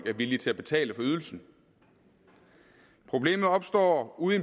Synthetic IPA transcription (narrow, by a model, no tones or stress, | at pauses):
ɡ̥æɐʋilit͡sʰe̝æb̥e̝t͡sʰɛ̰ːləfɒ̽yð̞ˠl̩sn̩ | pʰʁo̝b̥le̝̰ːmð̞̩ˠɒ̽b̥sd̥ɒ̰ːuðˠen